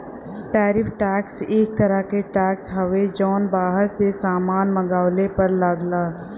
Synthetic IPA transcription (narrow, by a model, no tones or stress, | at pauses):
ʈɛːɾɪpʰʈɛːkseːk̚t̪əɾəkeʈɛːksɦəʋed͡ʒɔːnbaːɦəɾsesaːmaːnməɡaːlepəɾləɡlaː